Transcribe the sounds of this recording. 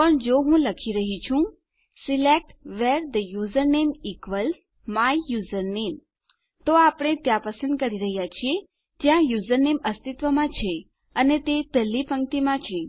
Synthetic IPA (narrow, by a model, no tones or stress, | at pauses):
pəɳd͡ʒoɦũləkʰiɾəɦit͡ʃʰũ | silek̚ʈʋeɾd̪əjuzəɾnemikʋəls | maijuzəɾnem | t̪oapɽ̃et̪jãpəsə̃nd̪̚kəɾiɾəɦjat͡ʃʰie | d͡ʒjãjuzəɾneməst̪it̪ʋəmãt͡ʃʰe | ənet̪epɛlːipəŋt̪imãt͡ʃʰe